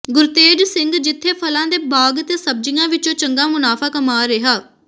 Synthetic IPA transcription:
ɡʊɾt̪eːd͡ʒsɪ̃ŋɡd͡ʒɪt̪ʰːeːpʰəlãːd̪eːbaːɡt̪eːsəb̚d͡ʒɪjãːʋɪt͡ʃõːt͡ʃəŋɡaːmʊnaːpʰaːkəmaːɾeɦaː

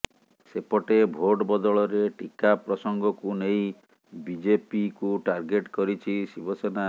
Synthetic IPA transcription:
sepɔʈebʱoʈɔbɔd̪ɔɭɔɾeʈikapɾɔsɔŋɡɔkunej̃ | bid͡ʒepikuʈaɾɡeʈkɔɾit͡ʃʰisibɔsena

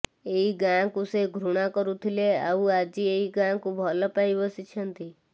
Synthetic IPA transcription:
eiɡãːkuseɡʱɾuɽ̃akɔɾut̪ʰilea̰uad͡ʒieiɡãːkũbʱɔləpaibəsit͡ʃʰənt̪i

